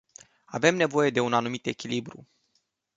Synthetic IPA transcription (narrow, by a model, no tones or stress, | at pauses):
ave̞mne̞vo̞je̞d̪e̞unanumit̪e̞kʲilibɾṵ